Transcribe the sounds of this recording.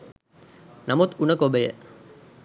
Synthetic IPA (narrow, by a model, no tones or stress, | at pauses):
namut̪unəkobəjə̰